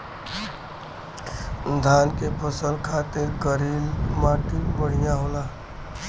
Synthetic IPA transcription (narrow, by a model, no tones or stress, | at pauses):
d̪ʱaːnkepʰəsəlkʰaːt̪ɪɾɡəɾiːlmaːʈilbəɽ̤ijãɦoːlaː